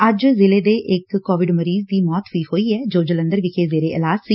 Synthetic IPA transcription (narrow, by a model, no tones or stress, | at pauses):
əd͡ʒzɪleːd̪eːʔɪkːɔːʋɪɖməɾiːzd̪iːmɔːt̪ʋiːhoːiːɛːd͡ʒoːd͡ʒələ̃nd̪əɾʋɪkʰeːzeːɾeːʔɪlaːzsiː